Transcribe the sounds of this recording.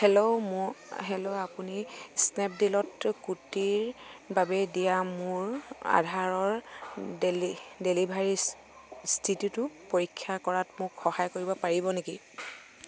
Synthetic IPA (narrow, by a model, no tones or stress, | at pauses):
hɛloʊmɦɛloapunisnɛp̚dilɔtkutiɹbabɛdijamʊɹa̰dʱaɹɔɹ | delibʱaɹi | stʰitjutʊpoɹikʰːjakɔɹatmʊkxɔhajkoɹibɔpaɹibɔneki